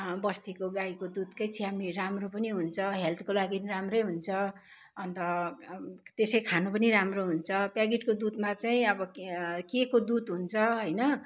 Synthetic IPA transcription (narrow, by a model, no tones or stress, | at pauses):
bʌst̪ikoɡajkod̪ud̪kʌjt͡sʰiɦamiramropʌniɦunt͡sʰʌɦelt̪ʰkolaɡinramrʌjɦunt͡sʰʌ | ʌnt̪ʌ | t̪esʌjkʰanopʌniɾamroɦunt͡sʰʌpjaɡiʈkod̪ud̪mat͡saĩʌbʌkekod̪ud̪ɦunt͡sʰʌɦʌjnʌ